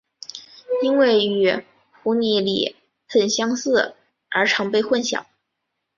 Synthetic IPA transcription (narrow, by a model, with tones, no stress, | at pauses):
i˥nwe˥˩ɪy˨˩ | xu˧˥ni˧˥lḭ˨˩ | xə˨˩nɕjɑ˥ŋsɹ̩˥˩ | ə˞˧˥ʈ͡ʂʰɑ˧˥ŋpe˥˧ɪxwə˥˩nɕjɑ̰˨˩˦ŋ